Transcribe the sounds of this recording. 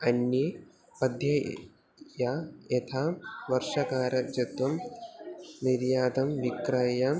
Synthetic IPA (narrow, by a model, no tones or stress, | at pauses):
ɐnji | pɐd̪ʱjɐ | jaːjɐt̪ʰaːʋɐɾʂɐkaːɾɐd͡ʒɐt̪ʋɐm | niɾjaːd̪ɐmʋikɾɐjɐ